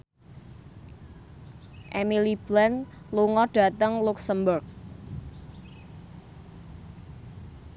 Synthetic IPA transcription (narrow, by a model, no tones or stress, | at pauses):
ʔɛmilib̥lɛn | luŋɔɖ̥ä̤t̪əŋluksəmbʊrk̚